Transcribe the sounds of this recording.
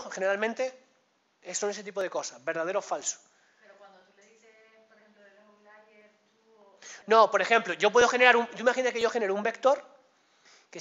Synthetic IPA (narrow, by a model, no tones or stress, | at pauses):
xe̞neɾalmẽnt̪e | esoneset̪ipoð̞eko̞saβe̞ɾðað̞e̞ɾofalso̥ | eɾowand̪ot̪u | eepl | lajeu | nõ̞po̞ɾe̞xe̞mploʝo̞p̬we̞ð̞oxe̞neɾaɾumɟ͡ʝoimaxinat̪ekeʝo̞xene̞ɾoumbe̞kt̪o̞ɾ | ke